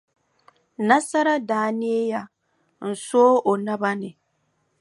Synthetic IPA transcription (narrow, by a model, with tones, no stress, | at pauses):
na˦sa˦ɾa˦daː˦nɪ˦e˦ja˦ | n̩˨soː˦ʔo˨na˦ba˦nɪ˨